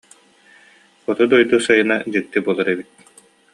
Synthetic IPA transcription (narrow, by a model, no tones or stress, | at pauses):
ɔt̪ud̪ɔjd̪uːsɯjɯnad͡ʑɯk̚t̪ibuɔlˠaɾebit̪̚